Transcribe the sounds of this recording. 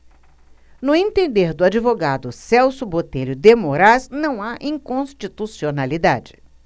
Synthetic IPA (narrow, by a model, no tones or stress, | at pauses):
nʊẽnt̪ẽnd̪eɾd̪ʊad͡ʒivoɡad̪ʊsɛwsʊbot̪eʎʊd̪emoɾaznɐ̃w̃aʔĩŋkõst͡ʃit̪usionalid̪a̰d͡ʒɪ̥